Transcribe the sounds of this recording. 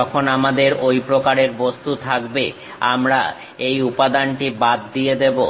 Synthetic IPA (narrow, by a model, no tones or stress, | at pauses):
ɔkʰonamad̪eɾojpɾokaɾeɾbost̪ut̪ʰakbḛ | a̰mɾa̰ | ejupad̪anʈibad̪̚ːijed̪ebo